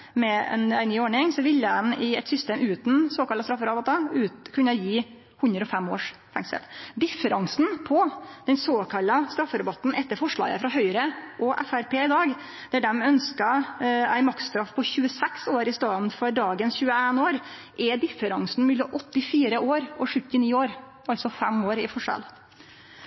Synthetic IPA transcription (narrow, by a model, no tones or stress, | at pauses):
mɛɛ̰næɪnyːoːɳɪŋsɔʋɪlːəd̪ɛnɪɛt̪sʏst̪eːmʔʉːt̪nsoːkɑlːɑst̪ɾɑfəɾɑbɑt̪ɑʉːkʰʉnːɑjiː | hʉnd̪ɾəɔfɛmːoːʂ | fæŋt̪sɛ̰t̪d̪ɪfːəɾɑŋsnpʰɔd̪̥ɛnsoːkʰɑlːəst̪ɾɑfːəɾɛbɑt̪n̩ʔɛt̪ːəɾfɔʂɭɑ̰ːɡə̰fɾɑɦœʏɾəʔɔʔæ̰fæɾpʰeːɪd̪ɑːɡ | d̪̥æɖɛmœnskɑæɪmɑk̪st̪ɾɑfpʰɔçʉːəsɛksoːɾɪst̪ɑːd̪n̩fɔɾɖɑːɡənsçʉːəeːnoːɾ | ʔɛd̪ɪfəɾɑŋsn̩mʏlːɔʔɔt̪ːɪfiːɾəʔoːɾʔɔʂʉt̪ːɪniːoːɾ | ɑlsɔfɛmoːɾɪfɔʂɑ̰l